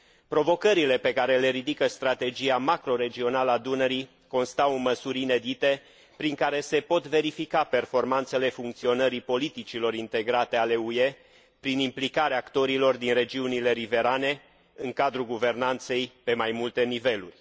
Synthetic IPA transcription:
pɾo̞vo̞kəɾile̞pe̞kaɾe̞le̞ɾid̪ikəst̪ɾat̪e̞d͡ʒiamakɾo̞ɾe̞d͡ʒio̞naləad̪unəɾi | ko̞nst̪awməsuɾʲine̞d̪it̪e̞ | pɾiŋkaɾe̞se̞po̞t̪ve̞ɾifikape̞rfo̞rmant̪se̞le̞fuŋk̚t̪sio̞nəɾipo̞lit̪it͡ʃilo̞ɾint̪e̞ɡɾat̪e̞ale̞ue̞ | pɾinimplikaɾeaːkt̪o̞ɾilo̞rd̪inre̞d͡ʒiunile̞ɾive̞ɾane̞ | ɨŋkad̪ɾuɡuve̞rnant̪se̞jpe̞majmult̪e̞nive̞lṵrʲ

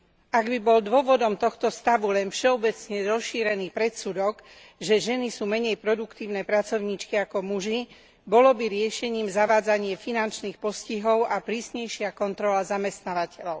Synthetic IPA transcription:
ʔaɡbibɔld̪ʊɔʋɔd̪ɔmt̪ɔxt̪ɔst̪aʋulɛnfʃɛɔbɛt͡sɲɛɾɔsʃːiːɾɛniːpɾɛt̪sud̪ɔɡ | ʒɛʒɛnisuːmɛɲɛjpɾɔd̪ukt̪iːʊnɛpɾat͡sɔʊɲiːt͡ʃkiakɔmuʒi | bɔlɔbiɾɪɛʃɛɲiːmzaʋaːd͡zaɲɪɛfinant͡ʃniːxpɔsciɦɔʊʔapɾiːsɲɛjʃɪakɔnt̪ɾɔlazamɛst̪naːʋacɛlɔʊ

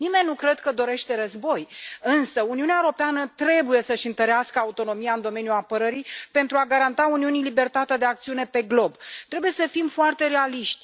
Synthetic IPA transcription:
nime̞nʲːukɾe̞d̪kəd̪o̞ɾe̞ʃt̪e̞ɾəzbo̞jɨnsəuniuneaeoɾo̞peanət̪ɾe̞buje̞səʃɨnt̪əɾeaskəaut̪o̞no̞mijaɨnd̪o̞me̞njuapəɾəɾijpe̞nt̪ɾuaɡaɾant̪auniunilibe̞rt̪at̪ed̪eakt̪siune̞pe̞ɡlo̞bt̪ɾe̞buje̞səfimfoart̪e̞ɾe̞aliʃt̪ʲ

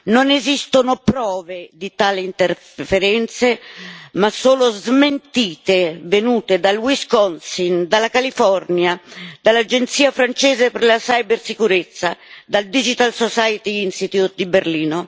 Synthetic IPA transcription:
nonezist̪onʊpɾɔːved̪it̪aːliint̪eɾ | feɾɛnt̪semasoːlozment̪iːt̪evenuːt̪ed̪alwiskɔnsind̪alːakalifɔrnjad̪alːad͡ʒent̪siːafɾant͡ʃɛːzeperlasajbersikuɾet̪sːad̪ald̪id͡ʒit̪alsosajt̪iinsit̪jut̪̚d̪iberliːno

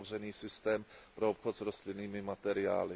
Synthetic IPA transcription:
vr̝ɛniːsɪst̪ɛːmpɾo̞opxot̪zɾost̪lɪniːmɪmat̪ɛɾɪa̰ːlɪ

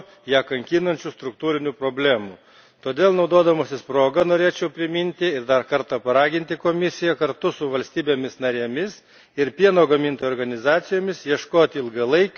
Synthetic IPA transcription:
jæːkɐŋʲkʲiːnɐnʲt͡ʃʲuːst̪ɾʊkt̪uːɾʲɪnʲuːpɾoːbʲlʲæːmuː | t̪oːd̪ʲeːlˠnɒʊd̪oːd̪ɐmoːsʲɪspɾoːɡɐnoːɾʲeːt͡ʃʲɛʊpʲɾʲɪmʲɪnʲt̪ʲɪɪɾd̪ɐɾkɐɾt̪ɑpɐɾɑːɡʲɪnʲt̪ʲɪkoːmʲɪsʲɪjækɐɾt̪ʊsʊʋɐlʲsʲt̪ʲiːbʲeːmʲɪsnɐɾʲeːmʲɪs | ɪɾpʲiɛnoːɡɐmʲɪnt̪oːjoːɾɡɐnʲɪzɑːt̪sʲɪjoːmʲɪsjiɛʃkoːt̪ʲɪɪlˠɡɐlˠɐɪkʲ

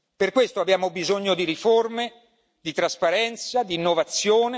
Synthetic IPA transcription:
perkwest̪oabjaːmobizoɲːod̪iɾiforme | d̪it̪ɾaspaɾɛnt̪sad̪iːnːovat̪sːjoːne

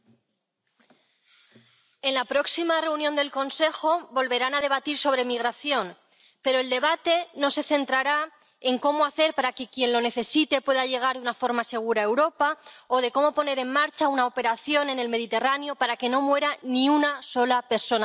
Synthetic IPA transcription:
e̞nlapɾo̞ksimare̞unjo̞nd̪e̞lko̞nse̞xo̞bo̞lβe̞ɾanaðe̞βat̪iɾso̞βɾe̞miɣ̞ɾaθjo̞n | pe̞ɾo̞e̞ld̪e̞βat̪e̞no̞se̞θe̞nt̪ɾaɾa | e̞ŋko̞moaθe̞ɾpaɾake̞kje̞nlo̞ne̞θe̞sit̪e̞pwe̞ðaʝe̞ɣ̞aɾðunafo̞ɾmase̞ɣ̞uɾae̞wɾo̞pao̞ð̞e̞ko̞mo̞pone̞ɾe̞ŋmaɾt͡ʃaunaope̞ɾaθjo̞ne̞ne̞lme̞ð̞it̪e̞ranjo̞paɾake̞no̞mwe̞ɾanĩunaso̞lape̞ɾso̞na

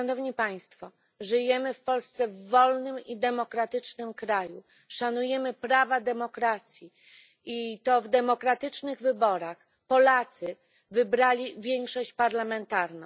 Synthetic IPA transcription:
ʂanɔvɲipaj̃st̪fɔ | ʐɘjɛmɘfpɔlst̪sɛvːɔlnɘmid̪ɛmɔkɾat̪ɘt͡ʂnɘmkɾaju | ʂanujɛmɘpɾavad̪ɛmɔkɾat̪sʲji | it̪ɔvd̪ɛmɔkɾat̪ɘt͡ʂnɘɣvɘbɔɾax | pɔlat̪sɘ | vɘbɾalʲivʲjɛŋkʂɔɕt͡ɕpaɾlamɛnt̪aɾnɔ̃w̃

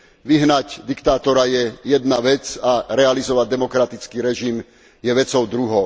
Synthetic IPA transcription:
ʋiɦnaɟd̪ikt̪aːt̪ɔɾajɛjɛd̪naʋɛt͡saɾɛalizɔʋaɟ̚d̪ɛmɔkɾat̪it͡skiɾɛʒim | jɛʋɛt͡sɔʊd̪ɾuɦɔʊ

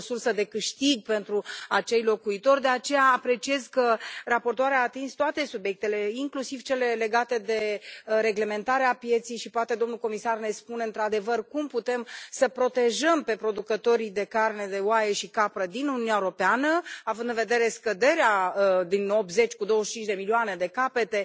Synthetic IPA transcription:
sursəd̪e̞kɨʃt̪iɡ̚pe̞nt̪ɾuat͡ʃe̞jlo̞kuit̪o̞rʲd̪e̞at͡ʃe̞jaːpɾe̞t͡ʃie̞zkərapo̞rt̪oaɾeaːt̪inst̪oat̪e̞subjek̚t̪e̞le̞iŋklusivt͡ʃe̞le̞le̞ɡat̪e̞d̪e̞ɾe̞ɡle̞me̞nt̪aɾeapje̞t̪sijʃipoat̪e̞d̪o̞mnulko̞misarne̞spuneɨnt̪ɾad̪e̞vərkumput̪e̞msəpɾo̞t̪e̞ʒəmpe̞pɾo̞d̪ukət̪o̞ɾid̪e̞karne̞d̪e̞oaje̞ʃikapɾəd̪inununʲaeɾo̞peanəavɨnd̪ɨnve̞d̪e̞ɾe̞skəd̪e̞ɾead̪ino̞p̚t̪ze̞t͡ʃʲkud̪o̞wəʃt͡ʃint͡ʃʲd̪e̞milioane̞d̪e̞kape̞t̪e̞

